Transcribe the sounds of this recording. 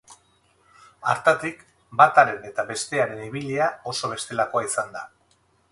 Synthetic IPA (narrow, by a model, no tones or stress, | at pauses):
a̰ɾt̪at̪ik | bat̪aɾe̞ne̞t̪aβe̞st̪e̞aɾe̞niβiliao̞soβ̞e̞st̪e̞lako̞aisand̪a